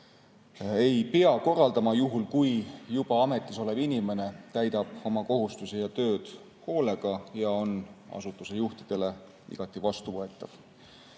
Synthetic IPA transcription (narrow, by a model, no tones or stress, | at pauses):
e̞jpeɑko̞rːɑld̪ɑmɑjuɦulkujjub̥ɑɑme̞t̪ːˑiso̞le̞binʲime̞ne̞t̪æjd̪ɑb̥o̞mɑko̞ɦust̪usijɑt̪ø̞ːd̪̥ | ho̞ːle̞ɡ̥ɑjɑo̞nɑ̰sut̪ːˑusejuht̪id̪̥e̞le̞ | ḭɡ̥ɑt̪ːˑivɑst̪uvɤe̞t̪ːˑɑv̥